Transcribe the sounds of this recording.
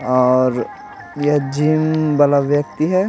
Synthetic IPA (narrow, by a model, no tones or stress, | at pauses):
ɔːɾ | jɐɦd͡ʒiːmbɐlaʋjək̚t̪iɦɛː